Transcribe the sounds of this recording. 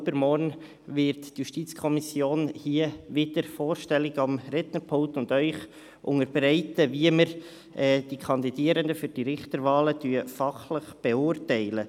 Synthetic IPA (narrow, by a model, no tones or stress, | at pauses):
bəɾmɔɾn | vɪɾtːjuʃtiːt͡skʰɔmisjoːnhiəʋɪd̪̥əɾfoːɾʃtɛlɪɡɑmɾɛt̪nəpʰʊŋktʊndœʏχ | ʔʊŋəɾbɾɛɪtəviəməɾ | ʔɛːd̥ikʰɑnd̪idiəɾəndəfyɾd̥iɾɪχtəɾvɑːlətyəfɑχləχb̥ɛʊːrtɛɪlə